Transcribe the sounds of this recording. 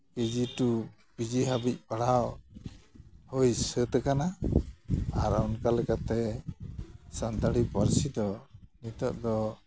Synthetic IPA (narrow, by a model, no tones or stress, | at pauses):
ked͡ʒiʈu | bid͡ʒiɦabic̚paɽaw | hujsət̪əkana | aɾaɔnkalɛkat̪ɛ | sand̪aɽipəɾsid̪ɔnit̪ɔʔd̪ɔ